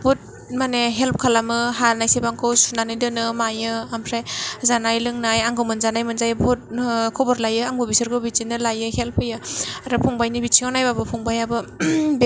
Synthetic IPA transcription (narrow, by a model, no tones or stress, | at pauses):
bot̚ | maneɦelp̚kʰalamɯɦaɾnajsebaŋkʰɯwsunanɯjdɯnɯmajɯampʰɾajzanajlɯŋnajaŋɡɯmɯnzanajmɯnzajbɔt̚kʰɔbɔɾlajɯaŋbɔbisɯɾɡɯbit͡ʃinɯlajɯhelpʰɯjɯaɾɯpʰɔŋbajnibit͡ʃiŋawnajbabɯpʰɔŋbajabɯb